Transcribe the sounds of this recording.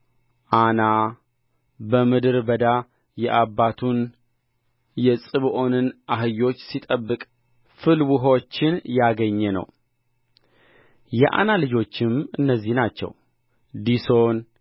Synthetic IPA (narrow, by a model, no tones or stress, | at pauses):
ʔana | bəmɨd̪ɨɾbəd̪a | jɛʔabːat̪ʰun | jɛsʼɨβʔo̞nɨnʔaɦɨjo̞t͡ʃːsit̪ʼəbːɨkʼ | fɨlwuɦo̞t͡ʃːɪnjaɡəɲːɛnə̰w | jɛʔa̰nalɨd͡ʒo̞t͡ʃːɪmɨnːəzːihnat͡ʃːɛ̰w | d̪iso̞n